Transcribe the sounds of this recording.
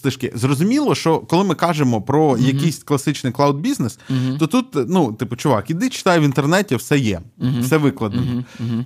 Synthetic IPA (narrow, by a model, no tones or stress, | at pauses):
sˠɪʃkɪ̰zrɔzʊmʲilˠɔʃt͡ʃɔkɔlˠɪmɪkɑʒemɔpɾɔjɐkɪjsʲklˠɐsɪt͡ʃnɪjklˠawd̪̚bʲiznesɔt̪ut̪nut̪ɪpʊt͡ʃʊʋɑ̰kʲid̪ɪt͡ʃɪ̥t̪ɑjɛʋʲint̪ernɛtʲiwsɛjɛfsɛʋɪklˠɐd̪nɔ